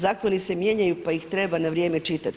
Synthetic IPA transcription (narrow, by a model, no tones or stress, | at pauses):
zaːko̞nise̞mje̞ɲajupaixt̪ɾe̞banaʋɾʲje̞ːmet͡ʃit̪at̪